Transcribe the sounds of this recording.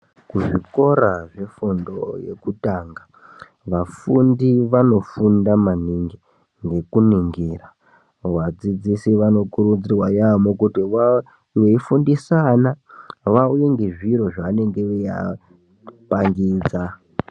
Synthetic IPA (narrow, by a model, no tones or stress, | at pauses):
kuʐiko̞ɾaʐe̞fundo̰je̞̰kutaːŋɡa | ʋafundiʋano̞fundamaniŋɡi | ŋɡe̞kuniŋɡiːra | ʋad͡zid͡zisiʋano̞kuɾud͡zirwajamokutiwa | weifundisanaʋaujeŋɡe̞ʐiɾo̞ʐaʋane̞ŋɡeuja̰ | paŋɡiːd͡za